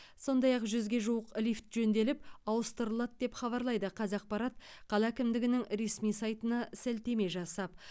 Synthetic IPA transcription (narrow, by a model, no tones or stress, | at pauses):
so̞nd̪ɑjɑqʒʏzɡʲe̞ʒuwəqlift̪ʒɵnd̪e̞lɪp̚ɑwəst̪əɾəlˠɑt̪̚d̪e̞pχɑβɑɾlˠɑjd̪əqʰɑzɑq̚pɑɾɑt̪̚ | qʰɑlˠɑækʲɪmd̪ɪɡʲɪnɪŋɾe̞smijsɑjt̪ənɑsælt̪e̞me̞ʒɑsɑp̚